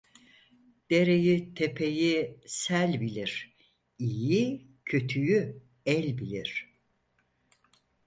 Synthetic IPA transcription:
d̪̥e̞ɾe̞jit̪ʰe̞pʰe̞jisælʲbilʲiɾ̥ | iji | cʰø̞t̪ʰyjy | ɛlʲbilʲiɾ̥

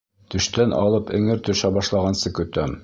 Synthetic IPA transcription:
t̪ɵ̆ʃt̪ænʔɑ̰lˠɤpɘ̆ŋɘɾt̪ɵ̆ʃæbɑʃlˠɑʁɑnsɤkɵ̆t̪æm

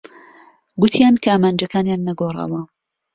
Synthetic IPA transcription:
ɡʊt̪ʰjaːnkʰɐaːmaːnd͡ʒɐkʰaːnjaːnːɐɡoːrˤɑ̰wɐ

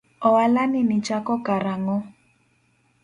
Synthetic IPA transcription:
ɔwalaninit͡ʃakɔkaɾaŋɔ

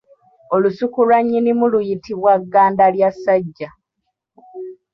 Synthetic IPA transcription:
o̞lusukulwaɲːinimulujitiβwaɡːaːndaljasːaɟːa

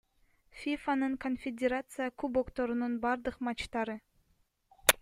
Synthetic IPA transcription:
fʲifanɯɴkonfʲɪdʲeɾat̪sɨjəkubokt̪oɾununbɑɾd̪ɯqmɑt͡ʃt̪ɑɾɯ

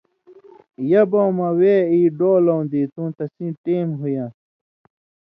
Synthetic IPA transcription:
jɐbowmɐweiːɖoːlow̃nd̪it̪ũːt̪ɐsĩːʈeːmɦujã

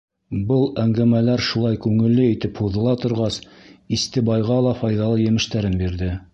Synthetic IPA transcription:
bɤlˠæŋɡæmælæɾʃulˠɑjkʉŋɘ̆lːɘit̪ɘphuðɤ̆lˠɑt̪ŏɾʁɑsist̪ɘbɑjʁɑlˠɑfɑjðɑlˠɤjɘ̆mɘ̆ʃt̪æɾɘnbiɾðɘ

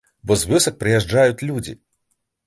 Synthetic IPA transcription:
bɔzvɨsɐk̚pɾɨjɛʐd͡ʐajut͡sʲlʲud͡zʲḭ

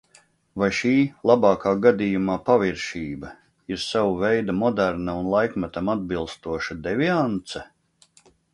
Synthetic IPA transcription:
vajʃiːlˠabɑːkaːɡad̪ijumaːpaviɾʃiːbɐ | iɾsawuvɛjd̪amɔd̪æɾnaunlˠajkmat̪amad̪̚bilˠst̪uɔʃad̪ɛviant̪sɛ

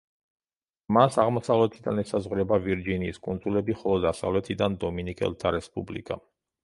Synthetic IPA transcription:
masaʁmɔsavlɛt̪ʰid̪a̰nɛsazʁɾɛbaviɾd͡ʒiniːskʼund̪zulɛbiχɔlˠɔd̪asa̰vlɛt̪ʰid̪and̪ɔminikʼɛ̰lˠt̪ʰaɾɛspʼublḭkʼa̰

